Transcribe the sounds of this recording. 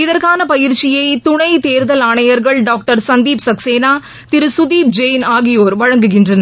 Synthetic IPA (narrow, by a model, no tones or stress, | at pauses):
ɪðɐɾkaːnɐpɐjɪɾt͡ʃɪjɐɪt̪ʊɳɐɪt̪eːɾðɐlaːɳɐjɐɾɣɐɭɖaːk̚ʈɐɾsɐnd̪iːpsɐkseːnaː | t̪ɪɾɯsʊðiːp̚d͡ʒɐjnaːɣɪjoːɾʋɐɻɐŋɡɯɣɪndrɐnɐɾ